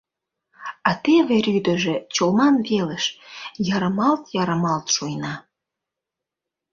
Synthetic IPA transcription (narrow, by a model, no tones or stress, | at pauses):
ɑt̪eβeɾyd̪ə̆ʒĕt͡ɕolmɑnβeləʃjɑɾəmɑlt̪jɑɾəmɑlt̪ʃujnɑ